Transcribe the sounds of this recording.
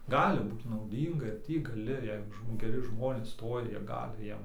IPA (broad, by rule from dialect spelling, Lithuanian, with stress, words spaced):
ˈɡɑːlʲɪ ˈbuːt nɐʊˈdʲiːŋɡɐ ɪr ˈtʲiː ɡɐˈlʲɪ ˈjɛɪɡʊ ʒmoː ɡʲɛˈrʲɪ ˈʒmoːnʲeːs ˈstoːjɛ ˈjiɛ ˈɡɑːlʲɪ ˈjiɛm